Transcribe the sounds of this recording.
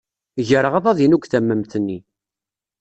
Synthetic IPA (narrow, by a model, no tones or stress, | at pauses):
ʝəɾəʁəðˤɑðinuɡʷθæmːəmθənːi